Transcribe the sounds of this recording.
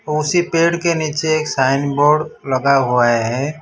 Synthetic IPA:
ʊsipeːɽkeniːt͡ʃeeːksaːɪnboːɾɖləɡaɦuaɦɛː

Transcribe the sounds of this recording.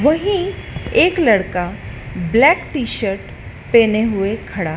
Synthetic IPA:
ʋɐɦĩeːklɐɽkablɛːkʈiːʃəɾʈ | peːneɦʊekʰɐɽaː

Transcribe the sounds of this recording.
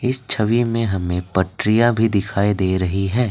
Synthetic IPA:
ɪst͡ʃʰɐʋimẽɦɐmẽpɐʈɾɪjabʱid̪ɪkʰaːid̪eːɾɐɦiɦɛː

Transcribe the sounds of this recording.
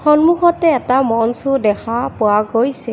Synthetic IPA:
xɔnmuɦɔtɛːtamɔnsudɛxapʊwaɡojsɛ

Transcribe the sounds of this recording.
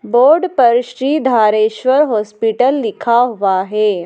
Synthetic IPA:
boːɾɖpəɾʃɾiːd̪ʱaːɾeːʃʋəɾɦɔːspiʈəlːɪkʰaɦʊʋaɦɛː

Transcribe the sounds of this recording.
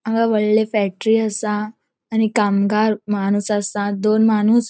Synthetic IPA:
əɡaʋəɭlefɛk̚ʈɾiːəsãː | nikamɡaɾmanuːsasãd̪onmanuːs

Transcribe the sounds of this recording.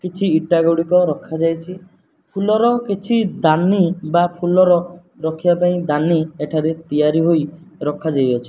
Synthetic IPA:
kit͡ʃʰiːʈaɡoɽikɔɾɔkʰad͡ʒajt͡ʃʰi | pʰulɔɾɔkit͡ʃʰid̪anibapʰulɔɾɔ | ɾɔkʰibapaĩd̪anieʈʰaɾet̪ijaɾiɦoj | ɾɔkʰad͡ʒajɔt͡ʃʰi̥

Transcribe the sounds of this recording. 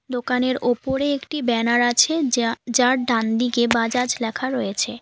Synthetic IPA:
d̪okaneɾopoɾeekʈibɛnaɾat͡ɕʰed͡ʑaɾɖand̪ikebad͡ʑad͡ʑlɛkʰaɾɔjet͡ɕʰe

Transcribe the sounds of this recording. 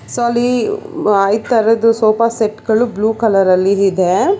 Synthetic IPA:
soɐlːi | ɐjd̪t̪ɐɾɐd̪usoːpɐseʈɡɐɭubluːkɐlɐɾɐlːiɦid̪e

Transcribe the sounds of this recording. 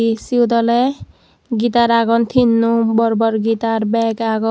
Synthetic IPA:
isiwd̪ɔlɛ | ɡit̪aɾaɡɔnt̪ʰinːubɔɾbɔɾɡit̪aɾbɛkaɡɔ

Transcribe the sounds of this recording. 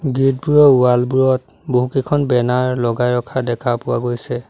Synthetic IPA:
ɡit̚buɹɔualbuɹɔt̚ | boɦukekʰɔnbɛnaɹlɔɡajɹɔkʰadɛkʰapʊwaɡojsɛ

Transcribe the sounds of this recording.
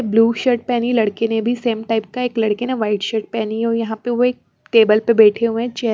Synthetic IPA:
bluːʃəʈ̚pɛːnilɐɽkenebʱiseːmʈaːɪp̚kaeːklɐɽkeneʋaɪʈʃəʈ̚pɛːniɦɔjɐɦãpeʋoeːk̚ | ʈeːbəlpebɛːʈʰeɦũẽt͡ʃɛɦ

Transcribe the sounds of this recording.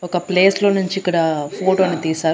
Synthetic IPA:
ɔkɐpleːslo̞ːnuɲt͡ʃiːkːɐɽɐpʰoːʈoːnit̪iːsaːɾu

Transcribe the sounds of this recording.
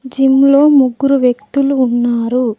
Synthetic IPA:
d͡ʒimlo̞ːmuɡːuɾuʋjekt̪uluːnːaːɾu

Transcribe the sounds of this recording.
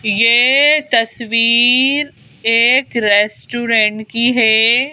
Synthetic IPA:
jet̪ɐsʋiːɾ | eːkɾɛːsʈuːɾɛ̃ɳʈkiɦɛː

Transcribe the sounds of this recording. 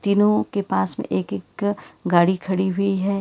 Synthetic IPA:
t̪iːnõkepaːsmḛ̃ʔeːkekɡaːɽikʰɐɽiɦʊiɦɛː

